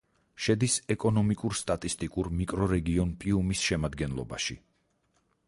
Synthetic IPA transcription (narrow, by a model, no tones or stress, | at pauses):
ʃɛd̪isɛkʼɔnɔmikʼuɾst̪ʼat̪ʼist̪ʼikʼuɾmikʼɾɔɾɛɡiɔnpʼiumisʃɛmad̪ɡɛnlˠɔ̰ba̰ʃḭ